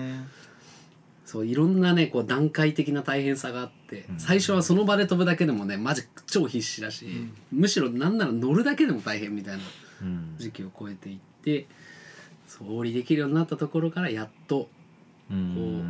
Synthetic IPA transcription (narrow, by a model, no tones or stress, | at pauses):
so̞ːiɾõ̞nːane̞ko̞ːd̪ãŋkait̪e̞kʲinat̪aihẽ̞ɰ̃saɡaːt̪ːe̞saiɕo̞β̞aso̞no̞bad̪e̞t̪o̞bɯ̟d̪aked̪e̞mo̞ne̞maʑit͡ɕo̞ːçiɕːiɾaɕiːmɯ̟ɕiɾo̞nãnːaɾano̞ɾɯ̟d̪ake̞d̪e̞mo̞t̪aiɦẽ̞mːʲit̪ainad͡ʑikʲio̞ko̞e̞t̪e̞it̪ːe̞ | so̞ːɾʲid̪e̞kʲiɾɯ̟jo̞ːɲ̟inat̪ːat̪o̞ko̞ɾo̞kaɾajat̪ːo̞ | koː